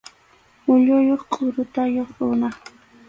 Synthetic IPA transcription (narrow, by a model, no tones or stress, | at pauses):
ʊʎʊjoχkʼʊɾʊt̪ajoχɾʊna